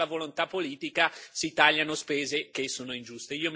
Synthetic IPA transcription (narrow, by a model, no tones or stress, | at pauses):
avolont̪apːoliːt̪ikasit̪aʎːanospeːzek̟esːoːnoind͡ʒust̪eiːom